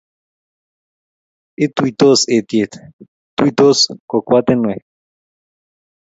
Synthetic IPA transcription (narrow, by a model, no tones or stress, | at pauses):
et̪uit̪oset̪jet̪ | t̪uit̪oskokʷat̪enwe